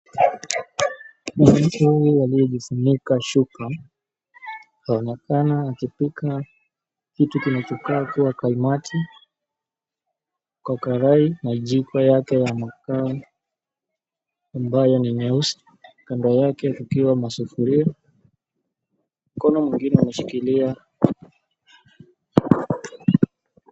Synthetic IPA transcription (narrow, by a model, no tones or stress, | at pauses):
manam̩tuhujujaliɔʄifuɲikaʃuka | haɔnɛkanaːkipika | kitukinat͡ʃɔkaːkuwakaimatʰi | kwakaɾainaʄikwajakɛjamaka | mbajɔninɛusi̥ | kandɔjakɛkukiwamasufuɾia | m̩kɔnɔmwiŋɡinɛumɛʃi̥kilia